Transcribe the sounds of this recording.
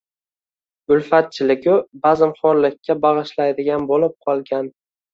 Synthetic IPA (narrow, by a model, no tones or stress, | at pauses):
ʊlfat̪̚t͡ʃʰɪlɪɡʲʊbazɪmχɒɾlɪkʲʰːabɑʁɨʃlajd̪ɪɡʲanbolɪp̚qʰɒlˠɡʲan